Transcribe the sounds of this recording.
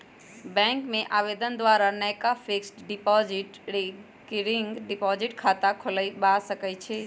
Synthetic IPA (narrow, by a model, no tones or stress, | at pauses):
bɛ̃ŋkmẽʔaːʋeːd̪ənd̪waːɾanəjkapʰeksʈɖɪpɔd͡ʒɪʈ | kɾɪŋɡɖɪpɔd͡ʒɪʈkʰat̪akʰʊləbasəkət͡ʃʰɛ